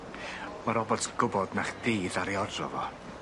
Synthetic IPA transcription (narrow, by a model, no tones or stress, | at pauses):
maɾɔbɔtʰɡ̥ʊbɔdnaχd̥eːðaɾiɔdrɔ̰vɔ